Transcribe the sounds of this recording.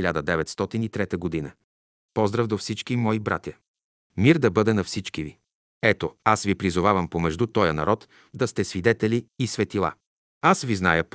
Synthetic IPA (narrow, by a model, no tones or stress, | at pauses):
ilʲad̪əd̪ɛvɛt̪st̪ɔt̪init̪ɾɛt̪əɡod̪inə | pɔzd̪ɾəvd̪ofsit͡ʃkimɔibɾa̰t̪ʲjə | miɾd̪ɐbɤd̪ɛnɐfsit͡ʃkivi | ɛt̪oasvipɾizʊvavəmpomɛʒd̪ut̪ɔjənɐ̰ɾɔt̪ | d̪ɐst̪ɛsvid̪ɛt̪ɛliːsvɛt̪ilˠa̰ | asviznajəp